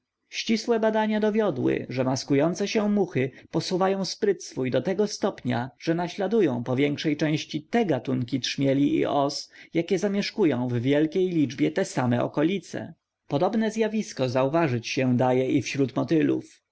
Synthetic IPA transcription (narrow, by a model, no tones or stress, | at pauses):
ɕt͡ɕiswɛbad̪aɲad̪ɔvʲjɔd̪wɘ̰ʐɛmaskujɔnt̪sɛɕɛmuxɘpɔsuvajɔ̃w̃spɾɘt̪sfujd̪ɔt̪ɛɡɔst̪ɔpɲa̰ʐ̥ɛnaɕlad̪ujɔ̃w̃pɔvʲjɛŋkʂɛjt͡ʂɛ̃w̃ɕt͡ɕit̪ɛɡat̪uŋkʲitʂmʲjɛlʲiʔḭʔɔsjakʲɛzamʲjɛʂkujɔ̃w̃vːʲjɛlkʲejlʲid͡ʐbʲjɛt̪ɛsamɛɔ̰kɔlʲit̪sɛ̰ | pɔd̪ɔbnɛzʲjavʲiskɔzauvaʐɘt͡ɕɕɛ̃d̪ajɛʔifɕɾut̪mɔt̪ɘlṵf